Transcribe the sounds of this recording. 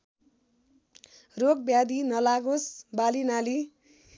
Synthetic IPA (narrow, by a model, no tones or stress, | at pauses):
rok̚bjad̪inʌlaɡosbalinali